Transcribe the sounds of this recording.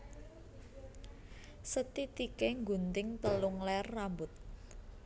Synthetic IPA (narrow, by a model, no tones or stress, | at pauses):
sət̪it̪ikeŋɡṳnt̪ɪŋt̪əlʊŋlɛrːambʊt̪̚